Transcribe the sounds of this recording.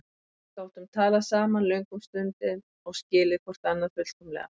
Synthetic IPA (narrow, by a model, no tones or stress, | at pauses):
t̪aːwt̪ʏmt̪ʰaːlasaːmanlœɥŋkʏmst̪ʏnt̪ɪn | ɔɣscɪːlɪðkʰvɔr̥t̪anːað̥fʏt̪kʰɔmlɛ̰ːɣa